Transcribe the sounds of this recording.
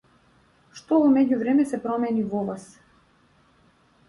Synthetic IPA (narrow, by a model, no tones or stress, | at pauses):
ʃt̪ɔvɔmɛɟuvɾɛmɛsɛpɾɔmɛnivɔvas